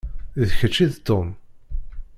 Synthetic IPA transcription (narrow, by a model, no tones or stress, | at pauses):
ðçət͡ʃːiðt̪ːom